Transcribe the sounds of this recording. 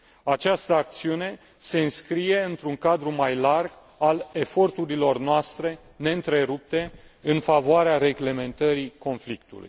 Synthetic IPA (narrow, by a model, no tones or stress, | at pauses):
at͡ʃast̪əak̚t̪siune̞ | se̞ɨnskɾije̞ɨnt̪ɾuŋkad̪ɾumajlarɡ | ale̞fo̞rt̪uɾilo̞rnoast̪ɾe̞ | ne̞ɨnt̪ɾe̞ɾup̚t̪e̞ɨnfavoaɾeaɾe̞ɡle̞me̞nt̪əɾiko̞nflikt̪ṵlṵj